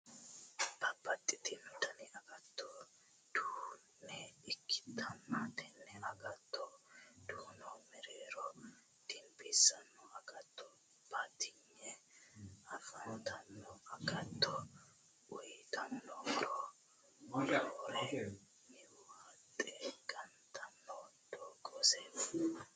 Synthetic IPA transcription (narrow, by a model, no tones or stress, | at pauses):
b̥ɐbːɐt̪ʼːɪt̪ɪmt̪ɐnɪɐɡɐt̪ːɔ | d̪̥uːnːɛɪkʰːɪ̥t̪ʰːɐnːɐt̪ɛnːɛɐɡɐt̪ːɔd̪̥uːnɔmɛɾeːɾɔ | d̪̥ɪmpɪsɐnːɔɐɡɐt̪ːɔ | b̥at̪ɪɲːɛ | ɐfɐnt̪ɐnːɔɐɡɐt̪ːɔ | ɔjt̪ʰɐnːɔɾɔ | ɾɛ | mɪwat̪ʼːɛɡ̥ɐnt̪ʰɐnːɔd̪̥ɔɡɔsɛ